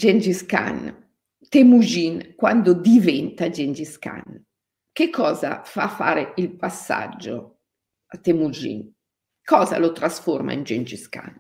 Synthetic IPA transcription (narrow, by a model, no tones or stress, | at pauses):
d͡ʒend͡ʒiska̰n | t̪emud͡ʒinkwand̪od̪ivɛnt̪ad͡ʒend͡ʒiska̰n | kekʰːɔːza̰fafa̰ːɾeilpasːa̰d͡ʒːo̰ | at̪emud͡ʒḭn | kɔːza̰lot̪ɾasforma̰ind͡ʒend͡ʒiska̰n